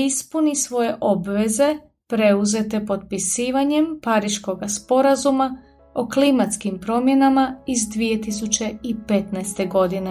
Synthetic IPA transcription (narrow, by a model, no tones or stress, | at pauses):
ispunisʋo̞je̞ʔo̞bʋe̞ze̞ | pɾe̞uze̞t̪e̞po̞t̪̚pisiːʋaɲe̞mpaɾiʃko̞ɡaspo̞ɾazuma | oklimat̪skimpɾo̞mje̞namaizd̪ʋije̞t̪isut͡ɕe̞ipe̞t̪naest̪e̞ɡo̞d̪in